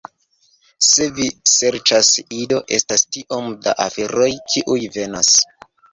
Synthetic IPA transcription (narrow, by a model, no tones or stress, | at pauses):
se̞vise̞ɾt͡ʃasido̞ʔe̞̰stastiʔo̞mda̰ʔafeɾo̞jkʰiʔujve̞nas